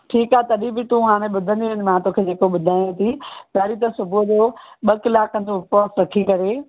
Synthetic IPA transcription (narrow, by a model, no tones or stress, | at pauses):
ʈʰiːkaːt̪ɐɗĩbɪt̪ũɦaːɽ̃ẽɓʊd̪ʱə̃nd̪iənɪ̆mãt̪oːkʰeːd͡ʑeːkoɓʊd̪ʱaːj̃õt̪ʰipaːɾit̪̬ɐsʊbʱʊd͡ʑoɓɐkɪlaːkːɐ̃n̆d̪opoːsɾɐkʰikɐɾeː